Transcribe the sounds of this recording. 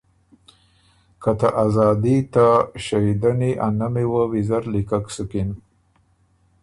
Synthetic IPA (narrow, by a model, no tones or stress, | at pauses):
kat̪aʔazɑd̪it̪aʃajid̪aniʔanamewawizaɾlikaksukin